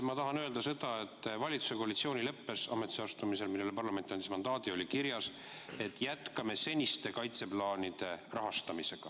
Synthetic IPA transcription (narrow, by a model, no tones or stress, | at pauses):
mɑt̪ɑɦɑnø̞ːld̪ɑse̞d̪̥ɑe̞t̪ˑːvɑlʲit̪su̥se̞ko̞ɑlit̪sio̞ːnʲilɤ̞pːe̞sɑme̞t̪isɑst̪umise̞lmilːelepɑrlɑme̞nt̪iɑnd̪ismɑnd̪ɑːd̪̥io̞lʲikiɾjɑs | e̞t̪ːˑjæt̪kɑme̞se̞nʲist̪e̞kɑjt̪se̞plɑːnʲid̪̥e̞rɑɦɑst̪ɑmise̞ɡ̥ɑ̰